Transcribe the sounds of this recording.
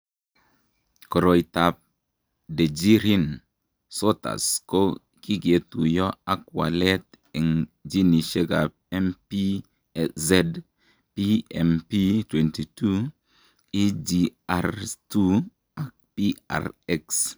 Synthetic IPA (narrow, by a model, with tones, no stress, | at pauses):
kɔ˨ɾo˨jta˨p̚ | de˨d͡ʒi˦ɾi˦n | so˦ta̰˨sko˦ | ki˦ɡe˨tu˨jɔ˦a˨kwa̰˨lɛ˦t | ɛ˨ŋd͡ʒi˦ni˨ʃe˦ɡa˨p̚ɛ˦mpi˦ | zɛ˦d | pi˦ɛ˨mpi˦twɛ˨nti˨tu˦ | i˦d͡ʒi˨aɾtu˦ | a˨k̚pi˦a̰˨ɾɛ˦ks